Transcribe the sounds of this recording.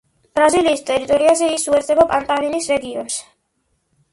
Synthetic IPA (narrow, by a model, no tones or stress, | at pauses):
b̥ɾaziliːst̪ʼɛɾit̪ʼɔɾiazɛisuɛɾt̪zɛbapʼant̪ʼalinisɾɛɡiɔns